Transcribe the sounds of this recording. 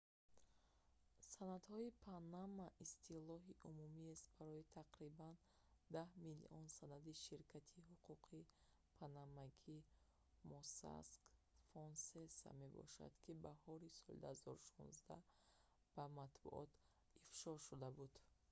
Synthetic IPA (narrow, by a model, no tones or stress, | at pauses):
sanad̪hɔipʰanamːaʔist̪ʰilɔɦiʔumumiest̪̚baɾɔit̪ʰaqɾiban | d̪ahmilḭʔɔnsanad̪iʃiɾkʰat̪ʰiɦuqʰuqʰi | pʰanamaɡi | mɔsa̰skfɔnsesa̰me̞bɔ̰ʃa̰d̪̥kʰibahɔɾisɔlḭd̪uhazɔɾuʃɔ̰̃nzd̪a | b̥amat̪bṵʔɔ̰t̪ | ifʃɔʃud̪abud̪̥